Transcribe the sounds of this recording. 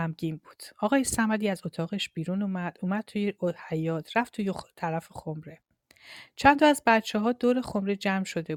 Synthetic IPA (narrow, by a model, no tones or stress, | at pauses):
æmɡiːnbuːd̪̥ɒːɣɒːje̞sæmæd̪iːæzo̞t̪ʰɒːɣeʃb̥iːɾunuːmæd̪̥uːmæd̪̥̚t̪ʰujeohæjɒːt̪ʰɾæft̪ʰujet̪ʰæɾæfexomɾe̞ | t͡ʃʰænt̪ʰɒæzbæt̪t͡ʃʰɛɦɒːd̪oːɾe̞xo̞mɾe̞d͡ʒæmʃo̞d̪e